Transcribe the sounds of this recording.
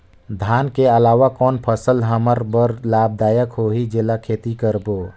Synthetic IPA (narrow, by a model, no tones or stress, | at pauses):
d̪ʱaːnkeəlaːʋakɔːnpʰəsəlɦəməɾbəɾlaːb̚d̪aːjəkɦoːɦid͡ʒɪlakʰeːt̪ikəɾboː